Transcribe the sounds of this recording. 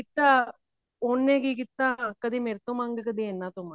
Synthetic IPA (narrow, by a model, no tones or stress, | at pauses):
kit̪ːa | oːnːeɡikit̪ːakɐd̪imeɾt̪omaŋɡəkɐd̪ienːat̪oma